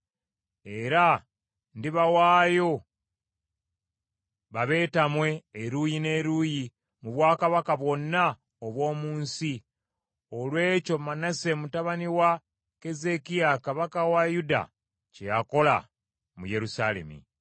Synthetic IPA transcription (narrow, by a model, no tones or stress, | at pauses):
e̞ɾa | ndiβawaːjo̞ | βaβe̞ːtamwe̞ːɾujine̞ːɾuji | muβwaːkaβakaβwo̞nːa | oβwo̞ːmuːnsi | olwe̞ːco̞manase̞mutaβaniwa | ke̞ze̞kiakaβakawajuda̰ | cejako̞la̰ | muje̞ɾusale̞̰mḭ